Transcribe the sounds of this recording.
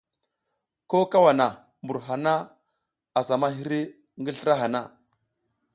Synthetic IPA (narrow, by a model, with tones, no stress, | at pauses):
ko˦ka˦wa˨na˨ | mbu˨ɾɦa˨na˦ | a˨sa˨ma˦ɦi˦ɾi˦ | ŋɡə˦ɬə˦ɾa˦ɦa˨na˦˨